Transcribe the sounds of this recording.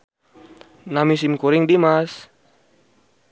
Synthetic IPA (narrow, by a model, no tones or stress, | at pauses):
namis̬imkuɾɪŋdimas